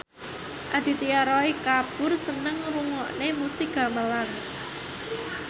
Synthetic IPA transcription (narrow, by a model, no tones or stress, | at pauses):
ʔad̪̥i̤t̪iaɾɔikab̥ʊrsənəŋruŋɔʔnemusiɡ̥a̤məlan